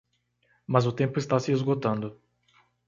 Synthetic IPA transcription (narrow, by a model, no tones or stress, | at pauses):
mɐzʊt̪ẽmpʊɪst̪asɪezɡot̪ɐ̃nd̪ʊ